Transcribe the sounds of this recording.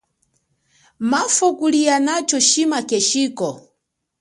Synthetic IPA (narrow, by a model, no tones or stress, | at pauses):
mafɔkulianat͡ʃɔʃimakɛʃiːkɔ